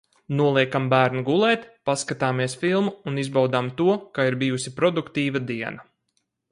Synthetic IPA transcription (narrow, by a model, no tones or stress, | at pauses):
nuɔlˠiɛkambæːɾnuɡulˠɛːt̪paskat̪aːmiɛsfilˠmuːnizbawd̪amt̪uɔkaiɾbijusipɾɔd̪ukt̪iːvad̪iɛna